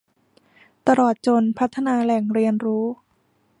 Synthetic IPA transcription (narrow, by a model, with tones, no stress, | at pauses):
t̪a˧lɔː˨˩t̪̚t͡ɕo˧npʰa˦˥t̪ʰːa˧naː˧lɛ˨˩ŋɾi˧ənɾuː˦˥